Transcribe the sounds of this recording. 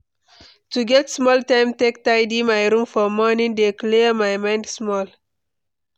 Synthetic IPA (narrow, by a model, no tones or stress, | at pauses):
tuɡɛtsmɔltãɪ̃mtek̚taɪdimajɹũmfɔmɔnĩŋdekliəmajmãɪ̃ndsmɔl